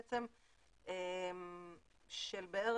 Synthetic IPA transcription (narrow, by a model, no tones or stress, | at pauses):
t͡sem | em | ʃelbeeʁ